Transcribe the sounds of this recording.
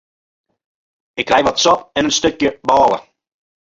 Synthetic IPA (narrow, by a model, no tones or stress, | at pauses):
ɪkːrɛjʋɔtsɔpɛnənstøkjəbɔːlˠə̰